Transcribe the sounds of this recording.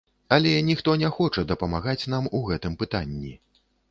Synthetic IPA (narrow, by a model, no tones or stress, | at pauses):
ɐlʲɛnʲixt̪ɔnʲɛxɔt͡ʂɐd̪ɐpɐmaɣat͡sʲnamuɣɛt̪ɨmpɨt̪anʲːi